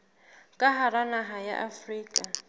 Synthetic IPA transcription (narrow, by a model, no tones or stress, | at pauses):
kʼaɦaranaɦaja̰ʔafriːkʼa